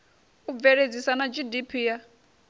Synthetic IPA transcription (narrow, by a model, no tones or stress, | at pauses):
ub̪vɛɺed͡zisanad͡ʒidipʰiːja